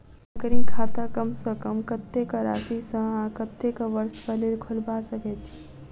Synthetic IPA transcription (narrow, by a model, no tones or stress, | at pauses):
əkəɾĩkʰat̪akəmsə̃kəmkət̪ːekəɾa̰tisə̃ãkət̪ːekəʋəɾspəleɾkʰulbasəkɛt͡ʃʰi̥